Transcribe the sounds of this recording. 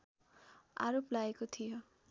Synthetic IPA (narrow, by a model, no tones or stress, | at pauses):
a̰ɾoplaekot̪ʰijo